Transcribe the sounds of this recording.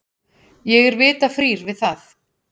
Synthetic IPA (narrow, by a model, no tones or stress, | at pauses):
jɛɣɛɾvɪːt̪afɾiːɾvɪðθaθ